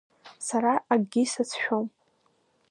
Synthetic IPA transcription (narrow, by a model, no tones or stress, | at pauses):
saɾaʔaɡɡʲisat͡sʰʃᶣom